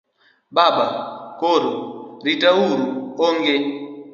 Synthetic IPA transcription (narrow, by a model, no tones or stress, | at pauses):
baɓakoɾoɾitawuɾuoŋɡe